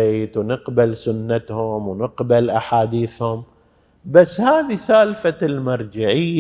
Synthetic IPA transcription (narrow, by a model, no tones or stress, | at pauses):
eːt̪wnɪqbalsʊnːat̪hʊmwnɪqbalʔaħaːd̪iːθhʊm | basːhaːðisaːlfalmɑɾˤd͡ʒɪʕɪjː